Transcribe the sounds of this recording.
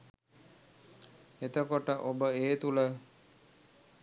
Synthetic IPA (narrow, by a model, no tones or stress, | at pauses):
et̪əkoʈəʔobəeːt̪ulə